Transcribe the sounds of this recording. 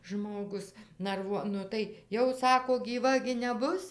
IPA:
ˈʒmoːɡʊs nɐrˈʋuɔ ˈnʊ tɐɪ ˈjɛʊ ˈsɑːkoː ɡʲiːˈʋɐ ɡʲɪ nʲɛˈbʊs

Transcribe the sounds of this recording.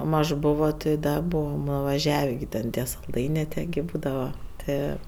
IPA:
ˈmɐʃ ˈboːʋoː tʲɪ ˈdɐ ˈbuːʋɐm nʊʋɐˈʒʲæːʋʲeː ɡʲɪ tʲɛn ˈtʲiɛ sɐlˠˈdɐɪnʲeː ˈtʲiɛ ɡʲɪ ˈbuːdɐʋɐ ˈtɜ

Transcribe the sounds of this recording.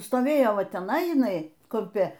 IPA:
stoːˈʋʲeːjoː ˈʋɐ tʲɛˈnɐɪ jɪˈnɐɪ kʊmʲˈpʲɪ

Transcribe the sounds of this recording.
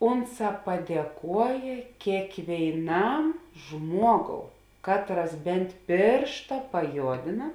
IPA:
ˈʊnˌsɑː pɐdʲiɛˈkuɔjeː kʲeːkʋʲeːɪˈnɐm ˈʒmuɔˌɡoːʊ ˈkɑːtˌrɐs ˈbʲɛnt ˈpʲeːrʃtɐ pɐˈjoːdʲeːnɐ

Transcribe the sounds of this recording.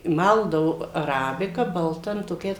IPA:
ˈmɐlˠdɐʋʊ ɐˈrɑːbʲɪkɐ bɐlˠˈtɐ nʊ toːˈkʲɛɪs

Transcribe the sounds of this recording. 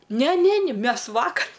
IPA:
ˈnʲɛ ˈnʲɛ ˈnʲɪ ˈmʲɛs ˈʋɑːkɐr

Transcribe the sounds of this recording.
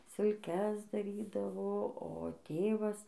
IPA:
sʲɪlʲˈkʲɛs dɐˈrʲiːdɐʋoː oː ˈtʲeːʋɐs

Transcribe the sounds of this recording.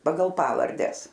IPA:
ˈpɑːɡɐlˠ ˈpɑːʋɐrʲdʲɛs

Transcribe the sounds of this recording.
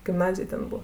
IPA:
ɡʲɪmˈnɑːzʲɪj ˈtʲɛn ˈbʊ

